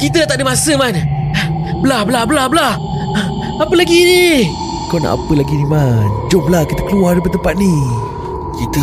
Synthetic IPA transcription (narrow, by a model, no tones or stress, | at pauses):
kit̪əlat̪aʔdəmasəman | bəlahblahbəlabəlah | apəlaɡini | kawna̰ʔa̰pəlaɡinimand͡ʒomlahkit̪ə̥kəluardəp̬ət̪əmpat̪̚ni | kit̪ə